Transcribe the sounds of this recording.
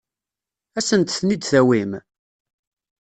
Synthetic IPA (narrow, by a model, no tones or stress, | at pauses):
æsənt̪θnid̪θæwim